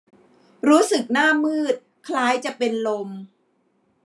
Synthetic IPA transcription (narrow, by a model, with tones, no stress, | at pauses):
ɾuː˦˥sɯ˨˩k̚naː˥˩mɯː˥˩t̪̚kʰlaː˦˥jt͡ɕa˨˩ʔpe˧nlo˧m